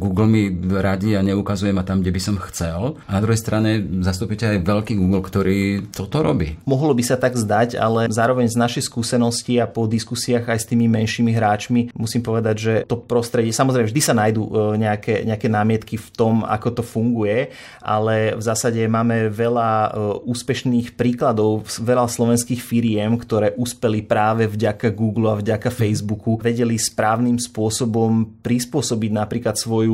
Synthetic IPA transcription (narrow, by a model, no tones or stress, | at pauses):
ɡuːɡlmiɾaɟiaɲɛukazujɛmat̪amɡɟɛbisɔmxt͡sɛlanad̪ɾuɦɛjst̪ɾaɲɛzast̪upicɛajʋɛlkiːɡuːɡlkt̪ɔɾiːt̪ɔt̪ɔɾɔbḭːmɔɦlɔbisat̪aɡzd̪aca̰lɛzaːɾɔʋɛɲznaʃɛjskuːsɛnɔsciapɔd̪iskusiaɣajst̪iːmimɛnʃiːmiɦɾaːt͡ʃmimusiːmpɔʋɛd̪aɟʒɛt̪ɔpɾɔst̪ɾɛɟɪɛsamɔzɾɛɪmɛʒd̪isanajd̪ṵɲɛakɛ̰ɲɛakɛnaːmɪɛt̪kift̪ɔma̰kɔt̪ɔfuŋɡujɛ | ʔa̰lɛvzaːsaɟɛmaːmɛʋɛlauːspɛʃniːxpɾiːklad̪ɔʊʋɛlaslɔʋɛnskiːxfiɾɪɛmkt̪ɔɾɛːʔuspɛlipɾaːʋɛvɟakaɡuːɡluavɟakafɛjzbukuʋɛɟɛlispɾaːʊnimspʊɔsɔbɔmpɾispʊɔsɔbiɟnapɾiːklat̪sʋɔju